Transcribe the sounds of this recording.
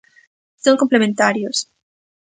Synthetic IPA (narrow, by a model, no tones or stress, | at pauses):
soŋkomplemẽnt̪aɾjos